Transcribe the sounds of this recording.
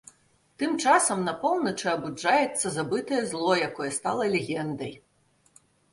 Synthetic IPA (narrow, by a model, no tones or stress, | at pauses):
t̪ɨmt͡ʂasɐmnɐapɔwˠnɐt͡ʂɨɐbud͡ʐajɛt̪sːɐzabɨt̪ɐjɛzlˠɔjakɔjɛst̪alˠɐlʲɛɣʲɛnd̪ɐj